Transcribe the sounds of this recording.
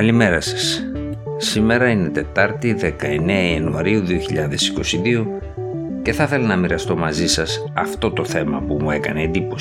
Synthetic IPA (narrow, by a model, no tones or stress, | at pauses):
kɐlime̞ɾɐsɐ̥s | sime̞ɾɐine̞t̪e̞t̪ɐɾt̪iðe̞kɐe̞neɐiɐnuɐɾiuðioçiʎɐðe̞si̥ko̞siðio̞ | ce̞θɐθe̞lɐnɐmiɾɐst̪o̞mɐzisɐs | ɐft̪o̞t̪o̞θe̞mɐpumue̞kɐneːnd̪ipo̞s